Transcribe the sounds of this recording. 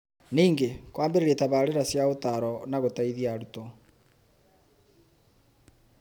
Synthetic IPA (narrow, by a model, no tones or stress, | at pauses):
niːŋɡekwaːmbeɾeɾetaβaːɾeɾasjaotaɾɔnaɣotaiðiaɾutɔ